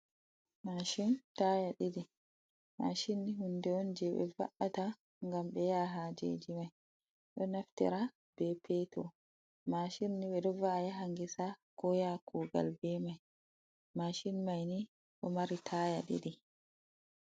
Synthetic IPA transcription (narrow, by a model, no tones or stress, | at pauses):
maʃintajaɗiɗi | maʃinːihundɛɔnd͡ʒɛɓɛ̰va̰ʔata | ŋɡamɓɛjaɦaːd͡ʒḛd͡ʒimaj | ɗɔnaftɛ̰ɾa | b̥ɛpʰɛtɔ | maʃinːiɓɛɗɔvaːjaɦaŋɡisakɔjakʰuːɡa̰lbɛmaj | maʃinmajni | ɗɔmaɾitʰaːja̰ɗḭɗi